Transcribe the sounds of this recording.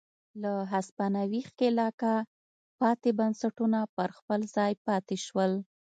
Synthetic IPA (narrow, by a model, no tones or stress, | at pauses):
laɦaspanawixkelɑka | pɑt̪ebansaʈunapəɾxpəlzɑjpɑt̪eʃwəl